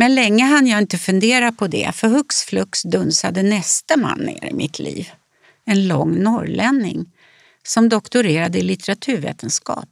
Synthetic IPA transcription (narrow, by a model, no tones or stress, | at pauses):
mɛnlɛŋːəɦanːjaɪnt̪əfɵnd̪eːɾapʰɔd̪ɛ̰fœɾhɵksflɵksd̪ɵnsad̪ənɛst̪əma̰nːḛːɾɪ̰mɪt̪ʰlḭːv | ɛnlɔŋːnɔɾlɛnːɪ̰ŋ | sɔmd̪ɔkt̪ʊɾeːɾad̪əɪlɪt̪ɛɾat̪ʰʉ̟ːɾvḛːt̪ənskɑ̰ːp̚